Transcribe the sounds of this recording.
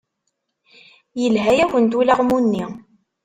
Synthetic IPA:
jəlɦæjæçənt̪ulaʁmunːi

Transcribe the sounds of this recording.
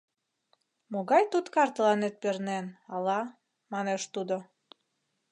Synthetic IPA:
moɣɑjt̪ut̪kɑrt̪əlɑnet̪̚pernenɑlɑ | mɑneʃt̪ud̪o

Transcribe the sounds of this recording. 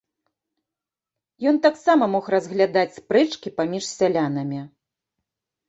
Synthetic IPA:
jɔnt̪aksamɐmɔxrɐzɣlʲad̪at͡sʲspɾɛt͡ʂkʲipamʲiʂsʲalʲan̪ɐmʲi

